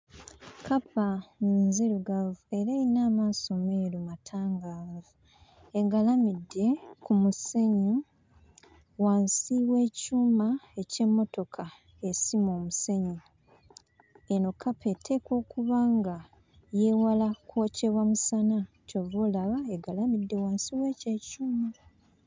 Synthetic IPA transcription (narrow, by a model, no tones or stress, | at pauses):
kapaniːnzeluɡavue̞ɾainaːmaːso̞meːɾumatʰaːŋɡaːvvu | eɡalamidːe̞kumuse̞ɲi | waːnsiwe̞ːcuːmae̞ce̞mːo̞to̞kʰa | esimo̞ːmuse̞ɲi | eno̞kʰapʰe̞tʰe̞ːko̞ːkuβaːŋɡa | je̞ːwalakwo̞ce̞βamusana | covolaβaeɡalamidːe̞waːnsiweːce̞ːcuːma